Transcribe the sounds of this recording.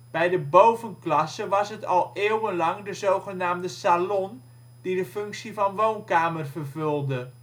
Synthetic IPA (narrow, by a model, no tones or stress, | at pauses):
b̥ɛjdəbowvənklɑsəʋɑsɦətɑlˠeːwənlɑŋdəzowχənaːmdəsalɔn | d̥idəfɵŋksivɑnʋownkaːmərvərvɵlˠdə